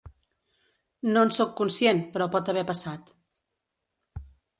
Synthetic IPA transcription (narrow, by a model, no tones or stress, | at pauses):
nonsɔkːunsjenpɾɔpɔt̪əβ̞ɛpəsat̪